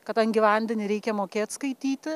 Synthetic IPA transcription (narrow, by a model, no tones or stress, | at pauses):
kɐt̪ɐnɡʲiːʋʲɐnʲd̪ʲɛnʲɪɾʲɛɪkʲɛmoːkʲeːt̪skɐɪt̪ʲiːt̪ʲɪ